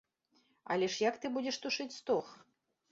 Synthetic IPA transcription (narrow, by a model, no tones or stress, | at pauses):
ɐ̰lʲɛʂjakt̪ɨbud͡zʲɛʂt̪uʂɨt͡sʲst̪ɔx